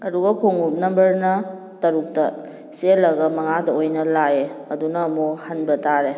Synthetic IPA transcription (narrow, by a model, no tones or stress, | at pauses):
ɐduɡɐkʰoŋup̚nɐmbɐɾnɐ | tɐɾuk̚tɐ | selɐɡɐmɐŋadɐojnɐlaeɐdunɐmohɐnbɐtaɾe